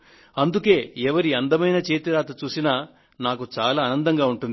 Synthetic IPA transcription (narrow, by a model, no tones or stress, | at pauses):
ɐnd̪uke̞ːɛʋɐɾiɐnd̪ɐmɐjnɐt͡ʃe̞ːt̪iɾaːt̪ɐt͡ʃuːsina | naːkut͡ʃaːlaːnɐnd̪ɐŋɡaːuɳʈund̪i